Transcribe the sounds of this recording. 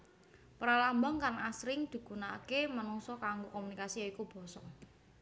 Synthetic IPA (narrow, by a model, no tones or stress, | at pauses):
pɾalambaŋkaŋasɾɪŋd̪̥i̤kunaakemanɔŋsɔkaŋɡokɔmunikasijaikub̥ɔ̤sɔ